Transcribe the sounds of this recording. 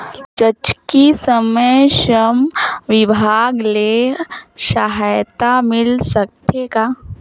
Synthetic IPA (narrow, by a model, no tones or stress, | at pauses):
d͡ʒət͡ʃkisəməjʃəmʋɪbʱaːɡle | ʃaɦajt̪amɪlsək̚t̪ʰekaː